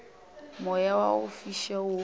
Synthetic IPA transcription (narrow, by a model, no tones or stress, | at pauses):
mʊjawaʊfiʃaʊ